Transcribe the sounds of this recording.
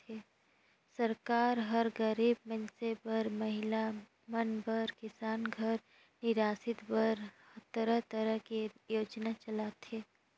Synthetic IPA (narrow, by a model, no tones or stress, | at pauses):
eː | səɾkaːɾɦəɾɡəɾiːb̚mənsebəɾməɦɪla | mənbəɾkɪsaːnɡʱəɾ | nɪɾaːsɪt̪bəɾ | t̪əɾəɦt̪əɾəɦkijoːd͡ʒnat͡ʃəlaːt̪ʰeː